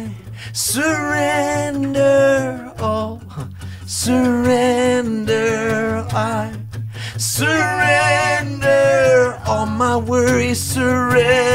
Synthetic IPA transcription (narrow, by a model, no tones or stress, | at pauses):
səɹɛndə˞ɔl | səɹɛndə˞aɪ | səɹɛndə˞ɔlˠmaɪwɜ˞isəɹɛ